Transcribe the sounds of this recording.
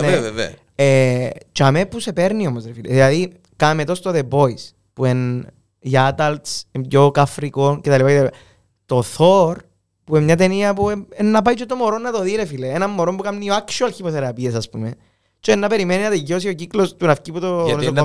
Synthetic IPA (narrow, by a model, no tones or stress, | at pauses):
ne | et͡ʃɐmepːuse̞peɾnio̞mozɾefilḛðilɐði | kɐmet̪ost̪oðebo̞is | puen | jɐd̪ɐlt̪semjokɐfɾikoncet̪ɐlipacet̪ɐlipa | t̪o̞θoɾ | puemɲɐt̪e̞niɐpuenːɐpɐjt͡ʃot̪omoɾonːɐt̪oðiɾefileenɐmːoɾombukɐmnioakʃuɐlçipoθeɾɐpiesɐspume | t͡ʃenːɐpe̞ɾimeninɐt̪eʝːo̞sio̞ciklost̪unɐfciput̪o